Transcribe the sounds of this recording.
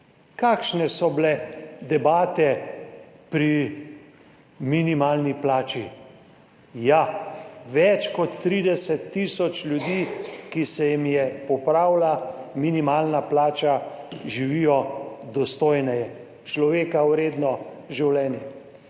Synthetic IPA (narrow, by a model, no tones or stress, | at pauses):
kaːkʃnɛsɔblɛd̪ɛbaːt̪ɛ | pɾi | minimaːlniplaːt͡ʃi | ja | ʋɛt͡ʃkɔt̪ːɾid̪ɛsɛt̪ːiːsɔt͡ʃlʲjud̪iːkisɛjimjɛpɔpɾaːwlaminimaːlnaplaːt͡ʃaʒiʋijɔd̪ɔst̪oːjnɛjɛ | t͡ʃlɔʋeːkawɾeːd̪nɔʒiwlɛːnjɛ